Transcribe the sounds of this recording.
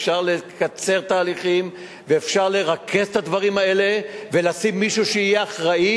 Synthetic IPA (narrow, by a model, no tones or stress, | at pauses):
ʃaʁle̞kat͡se̞ʁt̪aːliχim | veːfʃaʁleʁakʰe̞st̪ad̪vaʁimaele̞ve̞lasimːiʃuʃeijeaχʁai